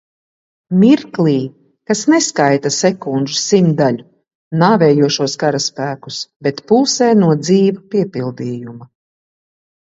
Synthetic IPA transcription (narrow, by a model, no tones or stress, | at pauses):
miɾkliː | kasnɛskajt̪asɛkund̪ʒu̥simd̪aʎu | naːvɛːjuɔʃuɔskaɾaspæːku̥sbɛt̪puːsɛːnuɔd̪ziːvapiɛpilˠd̪iːjuma